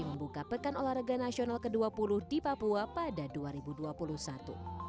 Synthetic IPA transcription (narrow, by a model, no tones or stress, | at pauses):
iməmbukapəkanolahɾəɡanasionalkəduapulʊhdipapuapadaduaɾibuduapuluhsat̪ṵ